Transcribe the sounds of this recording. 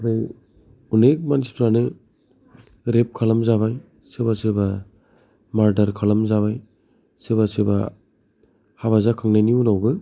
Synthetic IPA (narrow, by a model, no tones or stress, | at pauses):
ɾɯj | unek̚manispʰɾanɯ | ɾep̚kʰalamzaβaj | sɯbasɯba | maɾdaɾkʰalamzaβaj | sɯβasɯba | haβazakʰaŋnajniunawbɯ